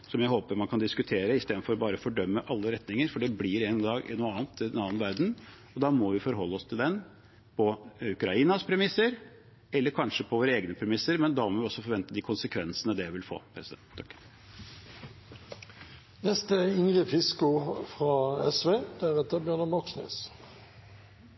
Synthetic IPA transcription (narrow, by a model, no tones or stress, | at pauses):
sɔmjæɪɦoːpəɾmɑnkʰɑnd̪ɪskʉt̪ʰeːɾəɪst̪eːd̪fɔɾɔbɑːɾəfɔɖœmːəʔɑlːəɾɛt̪nɪŋəɾfɔɖɛblɪɾɛnd̪ɑːɡɪ̰nuːəɑːnt̪ɪd̪ɛnɑːnʋæɾd̪n̩ | ɔd̪ɑːmɔʋɪfɔɾɦɔlːəɔst̪ʰɪld̪ɛn | pʰɔʉkɾɑiːnɑspʰɾɛmɪsːəɾ | ɛlːəɾkʰɑnʂəpʰɔʋoːɾəeːɡnəpʰɾɛmɪsːəɾmɛnd̪ɑmɔʋɪɔsːɔfɔɾʋɛnt̪əd̪ɪkʰʊnsəkʰʋɛnsənəd̪ɛʋɪlfo̰ːpʰɾɛsɪd̪ɛnt̪ʰːɑk | nɛst̪əɪŋʁəfɪskʊfʁɑɛsʋeːd̪̥æʁɛt̪əbjœʁnəmɑksnø̰ːs